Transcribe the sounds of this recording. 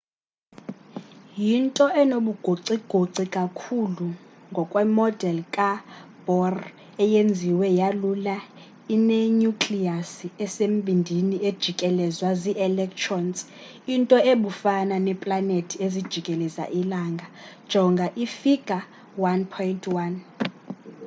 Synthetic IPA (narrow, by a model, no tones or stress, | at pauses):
jintʼɔʔɛnoɓuɡ̥ʱoǀiɡ̥ʱoǀikʼakʰuluŋɡʱɔkʼwɛmɔd̥ʱɛlkʼab̥ʱɔr | ɛjend͡zʱiwɛjalula | inɛɲukʼliasiɛsem̩bʱindʱinied̥ʒ̥ʱikʼɛlɛzwaziʔɛlɛk̚tʰrɔns | intʼɔeɓufananɛpʼlanetʰiezid̥ʒ̥ʱikʼɛlɛza̰ʔilaːŋɡʱad̥ʒ̥ʱɔŋɡʱaʔifiɡ̥ʱa | wanpʰɔjintʰwan